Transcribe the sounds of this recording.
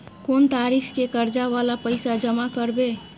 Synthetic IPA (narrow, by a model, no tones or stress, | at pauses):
kont̪aːɾikʰkekəɾd͡ʒaʋalapəɪsad͡ʒəmakəɾbe